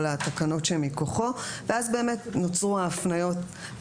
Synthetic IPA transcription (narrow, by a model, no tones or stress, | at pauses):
lat̪akano̞tʃemikoχo̞veazbe̞ːmetnot͡sʁuaːfnajo̞t